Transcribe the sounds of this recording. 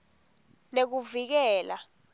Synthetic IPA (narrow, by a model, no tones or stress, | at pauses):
nek̬uvik̬ɛːla